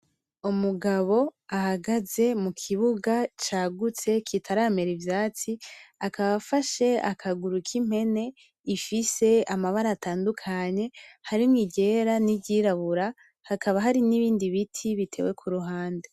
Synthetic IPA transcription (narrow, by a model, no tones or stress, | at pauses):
umuɡaβo̞ahaɡaze̞mukʰiβuɡat͡ʃaːɡut͡se̞kʰitʰaɾaːme̞ɾivjaːt͡siakʰaβafaʃe̞a̰kʰaɡuɾukʰim̥he̞ne̞ | ifise̞amaβaɾaːtʰaːndukʰaɲe̞haɾimŋiɟe̞ːɾaniɟiːɾaβuɾa | hakʰaβaɦaɾiniβiːndiβitʰiβitʰe̞̰we̞kʰuɾuɦaːnde